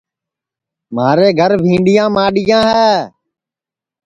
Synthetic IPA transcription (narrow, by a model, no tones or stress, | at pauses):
maːɾeːɡʱəɾbʱĩːɳɖɪjãːmaːɗɪjãːɦɛː